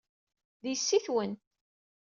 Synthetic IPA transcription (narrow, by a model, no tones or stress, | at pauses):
ðisːiθwənt̪